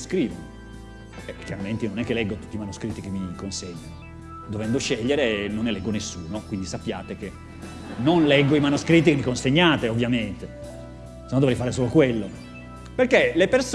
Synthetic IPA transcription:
skɾiːvono | ɛkːjaɾament̪enonɛkːelɛɡːot̪u̥t̪ːimanuskɾit̪ːikemːikonseɲːano | d̪ovɛnd̪oʃeʎːeɾenːonːelɛɡːonesːuːnokwind̪isapːjaːt̪ek̟e | nonlɛɡːoimanuskɾit̪ːikemːikonseɲːaːt̪eovːjament̪e | snɔnd̪ovɾɛjfaːɾesoːlokwelːo | perkːelepers

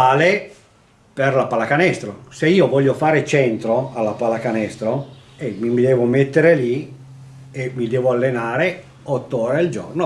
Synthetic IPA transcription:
aːle | perlapalakanɛst̪ɾoseiːovɔʎːofaːɾet͡ʃɛnt̪ɾoalːapalakanɛst̪ɾoemimid̪ɛːvomet̪ːeɾeli | emid̪ɛːvoalːenaːɾe | ɔt̪ːooːɾeald͡ʒo̰rno

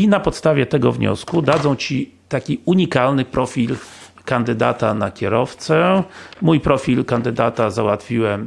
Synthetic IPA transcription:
inapɔt̪st̪avʲjɛt̪ɛɡɔ̰vɲɔ̰skud̪ad̪zɔ̃w̃t͡ɕit̪akʲiuɲikalnɘpɾʔɔfʲil | kand̪ɘd̪a̰t̪anakʲɛɾɔft̪sɛmujpɾɔfʲilkand̪ɘd̪at̪azawat̪fʲiwɛm

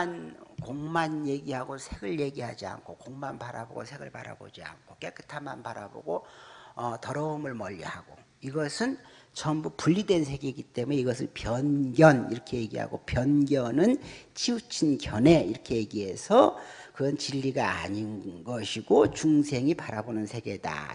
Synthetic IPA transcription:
nkoŋmanje̞ɡiɦaɡosʰeɡɯɭje̞ɡiɦad͡ʑia̰nkʰokoŋmanpaɾa̰bo̰ɡo̰sʰe̞ɡɯɭpaɾa̰bo̰d͡ʑia̰nkʰok͈ekʰɯ̥tʰamːanpaɾa̰bo̰ɡoʌtʌɾʌɯmɯɭmʌʎːḭhaɡ̥o | iɡʌsʰɯn | t͡ɕʌmbupuʎːidwe̞nsʰe̞ɡeɡit͈e̞mune̞iɡʌsʰɯnpjʌnɡjʌniɾʌkʰe̞je̞ɡiɦa̰ɡopjʌnɡjʌnɯnt͡ɕʰiut͡ɕʰinkjʌne̞iɾʌkʰe̞jeɡiɦe̞sʰʌkɯɾʌnt͡ɕiʎːiɡaa̰ːɲinɡʌɕʰiɡot͡ɕuŋsʰe̞ŋipaɾabonɯnsʰe̞ɡe̞da̰

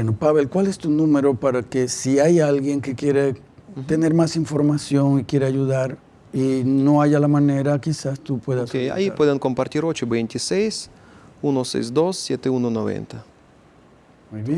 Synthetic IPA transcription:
enopaβelkwalest̪unũme̞ɾo̞paɾakesiajalɣje̞ŋkekje̞ɾe | t̪ene̞ɾmasiɱfo̞ɾmasjo̞ŋikje̞ɾeaʝuðaɾ | inoaʝalamaneɾakisast̪upweðasea̰ipweðeŋkompaɾt̪iɾot͡ʃobejnt̪isejs | unosḛjzd̪osːjet̪eunonoβḛnt̪a | mujβe

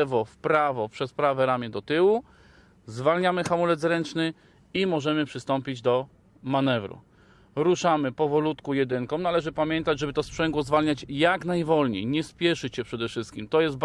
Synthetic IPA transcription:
vɔfpɾavɔpʂɛspɾavɛɾamʲjɛd̪ɔt̪ɘwu | zvalɲamɘxamulɛd̪zɾɛnt͡ʂnɘ | imɔʐɛmɘpʂɘst̪ɔmpʲid͡ʑd̪ɔ | manɛvɾṵ | ɾuʂamɘpɔvɔlut̪kujɛd̪ɘŋkɔ̃mnalɛʐɘpamʲjɛnt̪ad͡ʑʐɛbɘt̪ɔspʂɛŋɡwɔzvalɲat͡ɕjaknajvɔlɲḛjɲɛspʲjɛʂɘt͡ɕɕɛpʂɛd̪ɛfʂɘst̪kʲimt̪ɔjɛst̪̚b

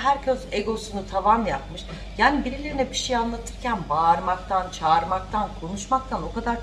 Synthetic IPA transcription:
ɦæɾcʰøzeɡo̞sunut̪ʰavanjap̚mɯʃ | jaːnibiɾilʲe̞ɾinɛbiʃejanlˠat̪ʰɯɾcʰænbaɾmakt̪ʰant͡ʃʰaːɾmak̚t̪ʰankʰo̞nuʃmak̚t̪ʰano̞kad̪aɾ

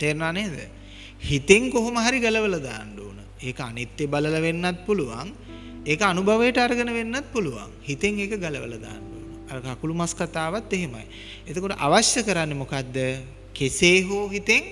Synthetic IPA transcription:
t̪eːɾnaːneːd̪ə̰ | hit̪eŋkoɦoməɦaɾiɡɐləʋələd̪a̰ːnɖoːnə | eːkəanit̪ːebalələʋenːat̪̚puluʋa̰ŋ | eːkəanubʱɐʋəjəʈəaɾəɡənəʋenːat̪̚puluʋa̰ŋhit̪eŋeːkəɡɐləʋə̰ləd̪a̰ːnɖo̰ːnəaɾəkakulumaskat̪aːʋat̪ːeɦema̰j | et̪okoʈəʔa̰ʋasjəkəɾanːemokad̪ːə | keseːɦuːɦit̪eŋ

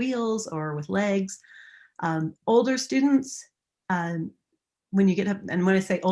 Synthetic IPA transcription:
ilˠzə˞wɨðlɛɡz̥ | ʔʌ̃moʊlˠdə˞stʉdⁿn̩ts | ʌ̃ | wɨ̃njɨɡɛɾʌp̚ɨ̰̃ñmwɑ̃nɨɪseɪʔoʊ

